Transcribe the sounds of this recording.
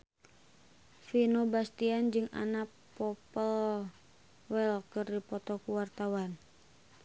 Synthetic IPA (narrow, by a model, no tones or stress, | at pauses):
finobast̪iand͡ʒɨŋa̰na | pɔpəl | wɛlkɨrdipɔt̪ɔkuwart̪awan